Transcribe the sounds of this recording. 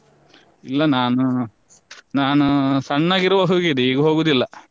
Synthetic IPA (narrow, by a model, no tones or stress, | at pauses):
ilːɐnaːnu | naːnusɐɳːɐɡiɾuʋɐɦoːɡid̪eiːɡuɦoːɡud̪ilːɐ